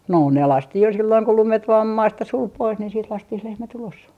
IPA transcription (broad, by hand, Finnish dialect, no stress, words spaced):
no ne lɑstih jo silːoiŋ ku lumet ʋɑːm mɑːstɑ sul pois niːn siːt lɑstih lehmæt ulos